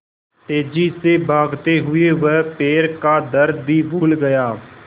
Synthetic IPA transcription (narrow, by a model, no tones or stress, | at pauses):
teːd͡ʒiːseːbʱaːɡt̪eːɦʊeːʋəpeːɾkaːd̪əɾd̪biːʋʊːlɡəjaː